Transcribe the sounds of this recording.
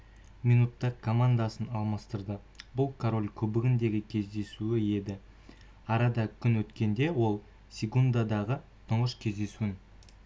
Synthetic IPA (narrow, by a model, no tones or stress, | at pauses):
mʲijnut̪ːɑkʰomand̪asənɑlˠmɑst̪əɾd̪ə | bʊlˠkʰoɾo̞lʲkʲʰɵbɪɡʲɪnd̪e̞ɡʲɪkʲʰe̞zd̪e̞suɪe̞d̪ɪ | ɑɾɑd̪ɑkʲʰʏnwɵt̪kʲe̞nd̪e̞wo̞lˠ | sʲekund̪ad̪ɑʁə | t̪ʰʊɴʁəʃkʲʰe̞zd̪e̞suɪn